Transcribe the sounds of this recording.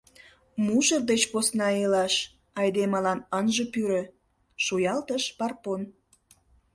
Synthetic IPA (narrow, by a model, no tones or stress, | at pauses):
muʒərd̪et͡ɕposnɑelɑʃ | ɑjd̪emɑlɑnənʒə̆pyɾø̆ | ʃojɑlt̪əʃpɑrpon